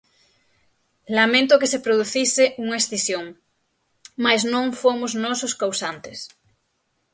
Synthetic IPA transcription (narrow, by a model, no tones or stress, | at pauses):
lamẽnt̪okesepɾoðuθiseʔuŋaesθisjoŋ | maznõŋfomoznɔsoskawsant̪es